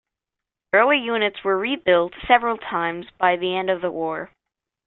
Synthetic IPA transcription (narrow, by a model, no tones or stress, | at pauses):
ɹoʊweɪjʉnɨtswə˞ɹibɪlˠtsɛvɹəl̩ˠtʰãɪ̃mzbaɪðiɛ̃ndʌvðəwɔɹ